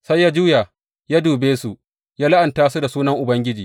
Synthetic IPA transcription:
sa˦jːaː˦d͡ʒuː˦ja˨ | jaː˦duː˨beː˦su˨ | jaː˦la˦ʔa˨ntaː˦su˦da˨suː˦nɐ˦ŋʔʊ˨bɐ˦ŋɡʲɪ˦d͡ʒiː˨

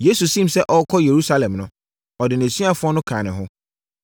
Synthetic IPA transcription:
je˦su˨sĩ˦msɛ˦ʔɔ˦kʰɔ˦je˨ɾu˦sa˦lɛ̃˨mnʊ̃˦ | ɔ˨dɪ˨n˨æ̃˨sɥa˦˨fʊ˦ɔ˦nʊ̃˦kʰãː˨nɪ̃˨ɦʊ̃˦

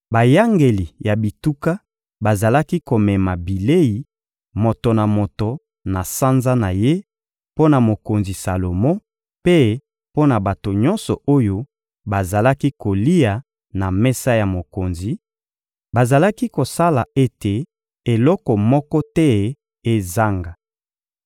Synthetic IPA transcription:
ba˨ja˦ŋɡe˨li˨ja˨bi˨tu˦ka˦ | ba˨za˨la˦ki˦ko˨mɛ˨ma˨bi˨le˦ji˨ | mo˨to˨na˨mo˨to˨ | na˨sa˦nza˦na˨je˦ | po˦na˨mo˨ko˨nzi˨sa˨lo˨mõ˦ | pe˦ | po˦na˨ba˨to˨ɲɔ˦nsɔ˨o˦jo˦ | ba˨za˨la˦ki˦ko˨li˦ja˨ | na˨mɛ˦sa˦ja˨mo˨ko˨nzi˨ | ba˨za˨la˦ki˦ko˨sa˦la˨e˦te˨ | e˨lɔ˦kɔ˨mɔ˦kɔ˦tɛ˦ | e˦za˦ŋɡa˨

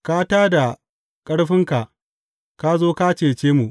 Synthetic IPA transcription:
ka˦taː˦da˨ | kʼɐ˦ɽɸɪ˦ŋka˨ʔ | ka˦zoː˦ka˦t͡ʃeː˨t͡ʃeː˦mu˨ʔ

